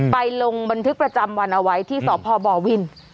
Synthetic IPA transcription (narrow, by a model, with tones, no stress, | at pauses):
pa˧jlo˧ŋba˧nt̪ʰɯ˦˥k̚pɾa˧t͡ɕa˧mwa˧nʔa˧wa˦˥jt̪ʰiː˥˩sɔː˩˦pʰɔː˧bɔː˨˩wi˧n